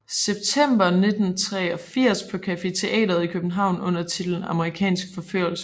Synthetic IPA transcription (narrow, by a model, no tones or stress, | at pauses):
seb̥̚t͡sʰem̰b̥ɐne̝d̥n̩t͡sʰʁɛ̰ɒ̽fiɐ̰spʰɒ̽kʰæfe̝t͡sʰe̝ʔɛ̰ːdɐð̞ˠikʰøb̥n̩ɦɑ̈ʊ̰nɔ̽n̰ɐt͡sʰid̥ln̩ɑ̈məʁikʰɛ̰ːnsɡ̥fɒ̽føɐ̰l̩sə